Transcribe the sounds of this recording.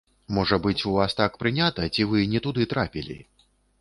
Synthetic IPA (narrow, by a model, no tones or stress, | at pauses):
mɔʐɐbɨt͡sʲuvast̪akpɾɨnʲat̪ɐt͡sʲivɨnʲɛt̪ud̪ɨt̪ɾapʲilʲḭ